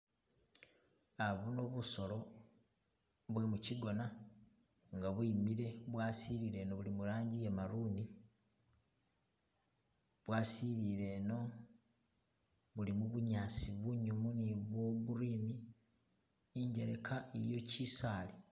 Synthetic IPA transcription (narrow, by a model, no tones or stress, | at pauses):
aβuno̞βuso̞lo̞ | βwe̞muciɡo̞na | ŋɡaβwimiɾe̞βwaːsiβiɾe̞ːno̞βulimuɾaːɲɟijemaɾuni | βwaːsiβiɾe̞no̞ | βulimuβuɲaːsiβuɲumuniβwo̞βuɾiːmi | iɲɟe̞ɾe̞kʰaeɾjo̞cisaːli